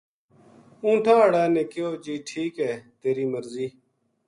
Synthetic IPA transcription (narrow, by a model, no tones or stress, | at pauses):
ũːʈʰãːəɽaːnẽːkɪoːd͡ʒiːʈʰiːkɛːt̪eːɾiːməɾziː